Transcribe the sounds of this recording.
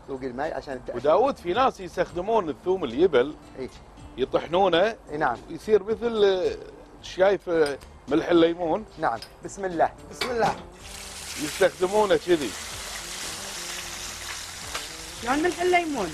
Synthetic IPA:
wɡəlmajʕa̰ʃaːnwd̪aːwuːd̪finaːsjəst̪axd̪ɪmuːnəθːuːməljɪbɪl | ʔeː | jɨt̪ˤɨħnuːnanaʕmwjsˤiːɾməθl | ʃaːjəf | mɪlħɪlːajmuːnnaʕambɪsmɪlːaːhbɪsmɪlːaː | jɪst̪axd̪ɪmuːnat͡ʃɪði | loːnməlħɪlːajmuːn

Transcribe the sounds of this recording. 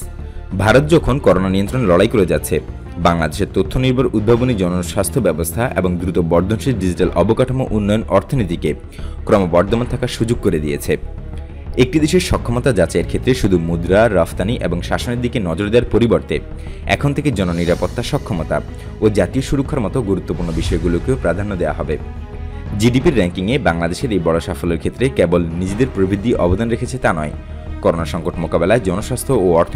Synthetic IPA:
bʱaɾot̪̚d͡ʑɔkʰonkɔɾonaniont̪ɾonlɔɽajkoɾed͡ʑat̪ːɕʰe | baŋlad̪eʃeɾt̪ot̪ʰːoniɾbʱaɾʔud̪̚bʱabonid͡ʑɔnoʃast̪ʰobɛbost̪ʰaʔḛboŋd̪ɾut̪obɔɾd̪ʱonʃeɖid͡ʑiʈalʔɔbokaʈʰamoʔunːɔjonɔɾt̪ʰonit̪̬ike | kɾɔmobɔɾd̪ʱomant̪ʰakaɾʃud͡ʑoɡ̚koɾed̪iet͡ɕʰe | ek̚ʈid̪eʃeɾʃɔkʰːɔmot̪ad͡ʑat͡ɕaeɾkʰet̪ːɾeʃud̪ʱumud̪ɾaɾaft̪aniʔeboŋʃaʃoneɾd̪ikenɔd͡ʑoɾd̪eaɾpoɾiboɾt̪e | ɛ̰kʰont̪ʰeked͡ʑɔnoniɾapot̪ːaʃɔkʰːomot̪a̰ | od͡ʑat̪ioʃuɾokʰːaɾmɔt̪oɡuɾut̪ːopuɾnobiʃɔeɡulokeopɾad̪ʱanːod̪eoa̰ɦɔbe | d͡ʑiɖipiɾːɛŋkiŋebaŋlad̪eʃeɾejbɔɽoʃafoleɾkʰet̪ːɾekebolnid͡ʑed̪eɾpɾobʱid̪ʱiʔɔbod̪anɾekʰet͡ɕʰet̪anɔe | kɔɾonaʃɔŋkoʈmokabelaed͡ʑɔnoʃast̪ʰooɔɾt̪ʰ

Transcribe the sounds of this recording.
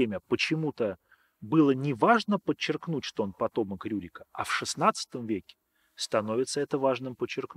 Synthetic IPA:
emʲəpət͡ɕɪmut̪ə | bɨlˠənʲɪvaʐnəpət͡ɕːɪrknutʲʂt̪oonpɐt̪o̞məkɾʲuɾʲɪkəɐ̰fʂɨsnat̪sɨ̥t̪əmvʲekʲɪ̥ | st̪ɐno̞vʲɪt̪səɛt̪əvaʐnɨmpət͡ɕːɪrkn

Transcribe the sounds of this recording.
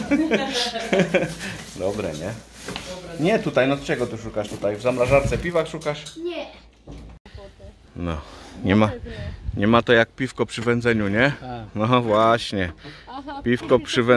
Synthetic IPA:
d̪ɔbɾɛ̰ɲɛ | ɲɛt̪ut̪ajnɔt͡ʂɛɡɔt̪uʂukaʂt̪ut̪ajvzamɾaʐaɾt̪sɛpʲivaxʂukaʂ | nɔ̰ɲɛmaɲɛmat̪ɔjak̚pʲifkɔpʂɘvɛnd̪zɛɲuɲɛnɔvwaɕɲɛ | pʲifkɔpʂɘvɛ

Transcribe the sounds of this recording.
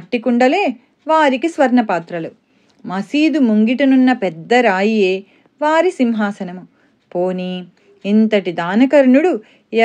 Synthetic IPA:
ɐʈːikuɳɖɐle̞ː | ʋaːɾikisʋɐɾɳɐpaːt̪ɾɐlu | mɐsiːd̪umuŋɡiʈɐnunːɐpɛd̪ːɐɾaːjijeː | ʋaːɾisimɦaːsɐnɐmu | poːniː | nt̪ɐʈid̪aːnɐkɐɾɳuɽu

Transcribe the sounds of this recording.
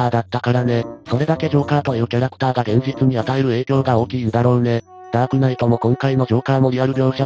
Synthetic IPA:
aːd̪at̪ːakaɾaneso̞ɾe̞d̪ake̞ʑo̞ːkaːt̪o̞iɯ̟ːkʲaɾakɯ̥t̪aːɡaɡẽ̞ɲ̟d͡ʑit͡sɨɲ̟iat̪ae̞ɾɯ̟e̞ːkʲo̞ːɡao̞ːkʲiːd̪aɾo̞ːne̞ | d̪̥aːkɯ̟nait̪o̞mo̞kõ̞ŋkaino̞ʑo̞ːkaːmo̞iaɾɯ̟bʲo̞ːɕa

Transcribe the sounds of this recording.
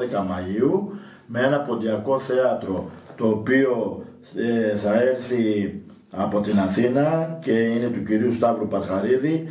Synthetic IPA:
ekɐmɐiu | mee̞nɐpo̞nd̪iɐko̞θe̞ɐt̪ɾo̞t̪o̞ːpio̞ | θɐe̞ɾθi | ɐpo̞t̪inɐθinɐce̞ine̞t̪uciɾiust̪ɐvɾupɐɾɣɐɾiði

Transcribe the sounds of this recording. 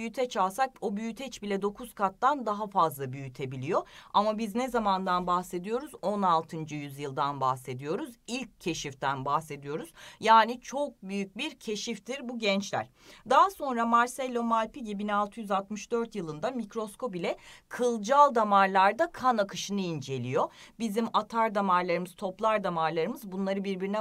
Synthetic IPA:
jyt̪ʰɛt͡ʃʰalˠsak̚obyjyt̪ʰɛt͡ʃbilʲɛd̪o̞kʰuzkʰat̪ːand̪aɦafazlˠabyjyt̪ʰe̞bilʲijo̞amabiznɛzamand̪anbaxse̞d̪ijo̞ɾuzo̞nalˠt̪ʰɯnd͡ʒɯjyzjɯlˠd̪anbahse̞d̪ijo̞ɾuzilʲcʰːe̞ʃift̪ʰænbahse̞d̪ijo̞ɾuz̥jaːnit͡ʃʰo̞k̚byjyc̚biɾcʰe̞ʃift̪iɾbuɟɛnt͡ʃlʲæ̰ɾ̥d̪aɦaso̞nɾamaɾsɛlʲːo̞malʲpiɟbinalˠt̪ʰɯjyzalˠt̪mɯʃd̪øɾt̪jɯlˠɯnd̪amicɾo̞sko̞pilʲɛkʰɯlˠd͡ʒalˠd̪amaɾlˠaɾd̪akʰanakʰɯʃɯnɯind͡ʒe̞lʲijo̞bizimat̪ʰaɾd̪amaɾlˠaɾɯmɯz̥t̪ʰo̞plˠaɾd̪amaɾlˠaɾɯmɯzbunlˠaɾɯbiɾbiɾinɛ

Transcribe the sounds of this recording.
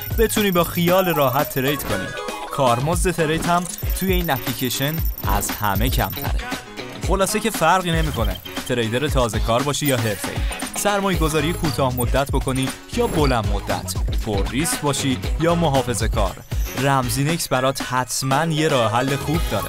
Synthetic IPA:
b̥e̞t̪ʰuːniːbɒːxijɒːleɾɒːɦæt̪ʰːeɾejt̪kʰo̞nḭːkʰɒːɾmo̞zd̪e̞t̪ʰe̞ɾejt̪ʰhæmt̪ʰuje̞iːnæpʰlicʰeʃe̞næ̰zhæ̰me̞cʰæ̰mt̪ʰæ̰ɾḛ | χo̞lɒːsece̞fæɾɣiːne̞miːko̞nḛt̪ʰeɾejd̪eɾet̪ʰɒːze̞kʰɒːɾbɒːʃiːjɒːɦe̞ɾfḛḭsæɾmɒːje̞ɡo̞zɒːɾijekʰuːt̪ʰɒːhmo̞d̪ːæt̪ʰbo̞kʰo̞niː | jɒːbo̞lænmod̪ːæ̰t̪ʰforːiscbɒːʃiːjɒːmo̞ɦɒːfe̞ze̞kʰɒ̰ːɾːæmziːne̞csbæɾɒːt̪ʰhæt̪ʰmænje̞ɾɒːhɦælːe̞xuːb̚d̪ɒːɾḛ

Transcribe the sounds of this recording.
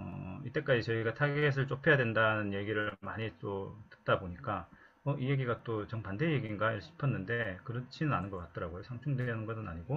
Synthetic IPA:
ʌ̰it͈e̞k͈ad͡ʑit͡ɕʌiɡatʰaɡees̬ʰɯɭt͡ɕ͈opʰe̞jadwendanɯnje̞ɡiɾɯɭmaɲit͈otɯ̥t̚t͈aboɲik͈a | mʌʔije̞ɡiɡat͈ot͡ɕʌŋpande̞jeɡinɡaiɕʰi̥pʰʌnːɯnde̞kɯɾʌnt͡ɕʰinɯnanɯnɡʌk͈at̚t͈ʌɾaɡojosʰaŋt͡ɕʰuŋdenɯnɡʌnɯna̰ɲiɡo

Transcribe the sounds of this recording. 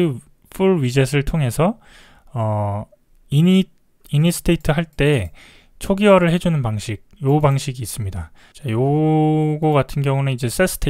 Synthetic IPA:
pʰuɭɥid͡ʑes̬ʰɯɭtʰoŋɦe̞sʰʌ | ʌ | ini | inisʰɯ̥tʰeitʰɯɦaɭt͈e̞ | t͡ɕʰoɡiwaɾɯɭɦe̞d͡ʑunɯnpaŋɕʰik̚jobaŋɕʰiɡiːs͈ɯmɲida | t͡ɕajo | ɡoɡatʰɯnɡjʌŋuneid͡ʑe̞s͈es͈ʰɯ̥tʰe

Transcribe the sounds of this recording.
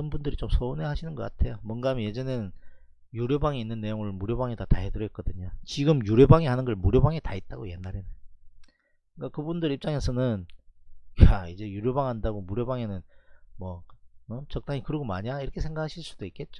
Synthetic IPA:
ɯnbundɯɾit͡ɕomsʰonehaɕʰinɯnɡʌk͈a̰tʰe̞jomwʌnɡaamnje̞d͡ʑenɯn | juɾjobaŋeinːɯnːe̞joŋɯɭmuɾjobaŋetataɦedɯɾʌt̚k͈ʌdɯɲat͡ɕiɡɯmjuɾjobaŋeɦanɯnɡʌɭmuɾjobaŋetait̚t͈aɡoje̞nːaɾenɯ | k͈akɯbundɯɾip̚t͡ɕ͈aŋe̞sʰʌnɯn | jaid͡ʑe̞juɾjobaŋɦandaɡomuɾjobaŋenɯnmwʌɯt͡ɕʌk̚t͈aŋikɯɾiɡomaɲaiɾʌkʰe̞sʰe̞ŋɡakʰaɕʰiɭs͈ud̥oik͈e̞t̚t͡ɕ͈o̥

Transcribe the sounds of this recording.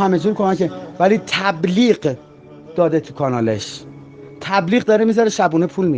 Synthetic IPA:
hæmed͡ʒuːɾkʰomækevæliːt̪ʰæbliːɢ | d̪̥ɒːd̪et̪ʰukʰɒːnɒːleʃ | t̪ʰæbliːɣd̪ɒːɾemizɒɾeʃæbuːnepʰuːlmi

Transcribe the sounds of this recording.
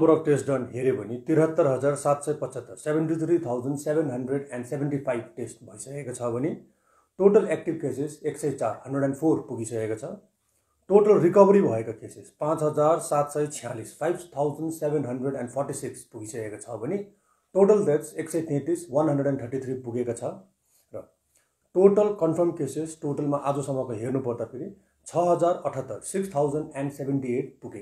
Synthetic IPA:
ʌmbʌɾʌpʈesʈɖʌnɦeɾebʌnit̪iɾɦʌt̪ːʌɾɦʌd͡zarsat̪sʌjpʌt͡sʌt̪ːʌrsebʱeɳʈit̪ʰɾit̪ʰawd͡zʌnsebʱenɦʌnɖreɽɛnɖsebʱeɳʈipʰajb̚ʈesʈbʱʌjsʌkekot͡sʰʌbʱʌni | ʈoʈʌlek̚ʈibkeseseksʌjt͡sarɦʌnɖreɽɛnpʰorpuɡisʌkekot͡sʰʌ | ʈoʈʌlrikʌbʌɾibʱʌekakesespãt͡sɦʌd͡zarsat̪sʌjt͡sʰijãlispʰajbt̪ʰawd͡zʌnɖsebenɦʌnɖreɽɛnɖpʰɔrʈisikspuɡisʌkekot͡sʰʌbʱʌni | ʈoʈʌld̪etseksʌjt̪ẽt̪iswʌnɦʌnɖreɽɛnt̪ʰʌrʈit̪ʰɾipuɡekot͡sʰʌ | rʌ | ʈoʈʌlkʌnpʰʌrmkesesʈoʈʌlmaʔad͡zosʌmʌkoɦernupʌrd̪apʰiɾi | t͡sʰʌɦʌd͡zarʌʈʰʌt̪ːʌrsikst̪ʰawd͡zʌnɖɛnɖsebʱeɳʈieʈ̚puɡeko

